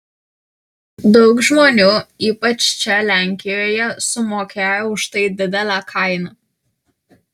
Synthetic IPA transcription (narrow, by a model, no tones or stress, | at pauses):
d̪ɔʊkʒmoːnʲuiːpɐt͡ʃt͡ʃʲɛlʲæŋʲkʲɪjoːjɛsʊmoːkʲʰæːjoʊʃt̪ɐɪd̪ʲɪd̪ʲɛlʲakʰɑɪnɐ